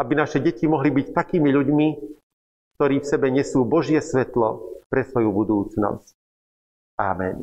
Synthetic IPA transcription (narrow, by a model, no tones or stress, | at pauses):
abinaʃɛɟɛcimɔɦlibict̪akiːmiʎuɟmi | k̚t̪ɔɾiːfsɛbɛɲɛsuːbɔʒɪɛsʋɛt̪lɔ̰pɾɛsʋɔjubud̪uːt͡snɔ̰sc | a̰ːmɛ̰n